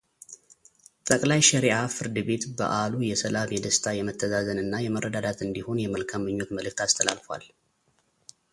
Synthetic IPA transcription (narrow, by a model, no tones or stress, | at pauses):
t̪ʼəkʼlajʃɛɾiʔafɨɾd̪ɨbe̞t̪bə̰ʔalujɛsəlamjɛd̪əst̪ʰajɛmət̪ʰːəzazənɨnːajɛmərːəd̪ad̪at̪ɨnd̪iho̞njɛməlkʰamːɨɲːo̞t̪məlɨk̚t̪ast̪ʰəla̰lfwa̰l